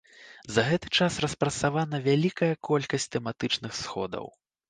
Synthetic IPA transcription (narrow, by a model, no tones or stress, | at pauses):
zɐɣɛt̪ɨ̥t͡ʂasrɐspɾɐt̪savanɐvʲalʲikɐjɐkʰɔlʲkɐsʲtʲt̪ɛmat̪ɨt͡ʂnɨxsxɔ̰d̪ɐ̰w